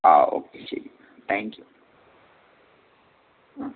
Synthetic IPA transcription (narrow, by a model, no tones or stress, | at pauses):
a̰o̰kʰesḛi | t̪ʰɛ̃ŋkju